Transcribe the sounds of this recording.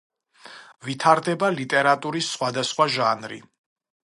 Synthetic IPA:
vit̪ʰaɾd̪ɛbalit̪ʼɛɾat̪ʼuɾisːχwad̪asχwaʒanɾḭ

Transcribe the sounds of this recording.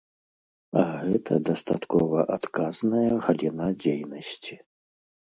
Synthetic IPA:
aɣɛt̪ʰɐ̰d̪ɐst̪at̪kɔvɐʔat̪kaznɐjɐɣɐlʲinad͡zʲejnɐsʲt͡sʲi̥

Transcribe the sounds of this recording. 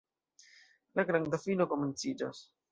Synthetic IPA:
laɡɾand̪afino̞ko̞me̞nt͡sid͡ʒa̰s

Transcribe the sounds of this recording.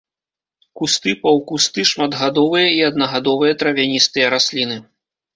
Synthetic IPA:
kust̪ɨpɐwkust̪ɨʂmɐd̪ɣad̪ɔvɨjɐiɐd̪̚nɐɣad̪ɔvɨjɐt̪ɾɐvʲanʲist̪ɨjɐɾasʲlʲinɨ

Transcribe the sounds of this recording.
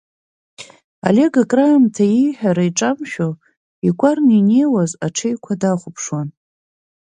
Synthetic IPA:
a̰le̞ɡakʼramtʰajijħᶣaɾaiʈ͡ʂʼamʃᶣo | ikʷʼarnine̞jwazaʈ͡ʂʰejkʷʰadaχʷʊpʰʂwan

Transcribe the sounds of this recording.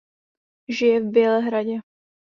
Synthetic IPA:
ʒɪjɛvbjɛlɛɦɾaɟɛ

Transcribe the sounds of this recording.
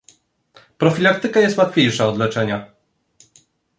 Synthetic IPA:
pɾɔfʲilak̚t̪ɘkajɛst̪wat̪fʲjejʂaɔd̪lɛt͡ʂɛɲa

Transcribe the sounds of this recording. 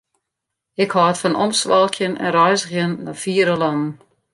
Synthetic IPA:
ɪkhɔːətfɔnɔ̰msʋalˠkʰjənɛ̰nrɛjsəxjənːɔ̰fiːəɾəlɔnn̩

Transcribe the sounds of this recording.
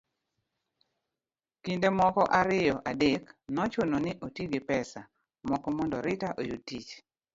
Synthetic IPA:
kindemɔkɔʔaɾɪjɔʔadeknɔt͡ʃononɪʔotjeɡɪpɛsa | mɔkɔmɔndɔɾɪtaʔojutːit͡ʃ

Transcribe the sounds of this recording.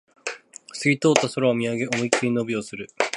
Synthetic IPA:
sɨɡʲit̪o̞ːt̪ːasoɾaːmʲiaɡe̞ʔomoikiɲʲino̞bʲiosɨɾɯ̟

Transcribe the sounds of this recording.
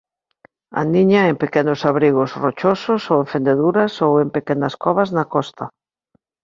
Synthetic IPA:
a̰nĩɲɐempekɛnʊsaβɾiɣosrot͡ʃososowẽɱfend̪eðuɾɐsowempekɛnɐskɔβɐznakɔst̪ɐ

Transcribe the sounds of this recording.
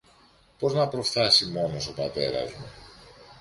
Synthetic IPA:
po̞znɐpɾo̞fθɐsimo̞no̞so̞pɐt̪e̞̰ɾɐ̰zmu

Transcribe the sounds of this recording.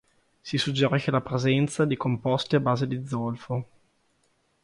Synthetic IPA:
sisud͡ʒːeɾiʃelapɾezɛnt̪sad̪ikompɔst̪iabaːzed̪id̪zːɔlfo

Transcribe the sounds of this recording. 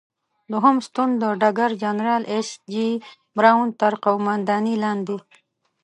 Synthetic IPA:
luɦumst̪und̪d̪əɖaɡaɾd͡ʒanɾɑːlʔesd͡ʒi | bɾaːunt̪aɾqawmand̪ɑːnilɑːnd̪i

